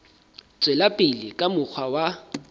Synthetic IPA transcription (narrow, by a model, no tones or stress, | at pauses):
t͡sʼwelapʼɪlɪkʼamʊk͡xʰwawa